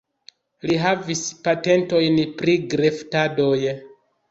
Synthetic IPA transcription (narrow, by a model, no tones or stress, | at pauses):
liɦavispate̞nto̞jnpɾiɡɾe̞ftado̞j